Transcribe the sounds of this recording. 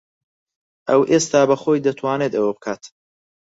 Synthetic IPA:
ʔɐwʔest̪aːbɐxoːjd̪ɐt̪ʰwaːneːd̪ɐwɐbɨkʰaːt̪

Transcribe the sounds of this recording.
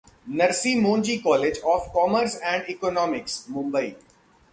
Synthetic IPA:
nɐɾsiːmõːnd͡ʒiːkɔːleːd͡ʒɔːfkɔːməɾsɛ̃ɳɖɪkɔːnɔːmɪksmʊ̃mbəi

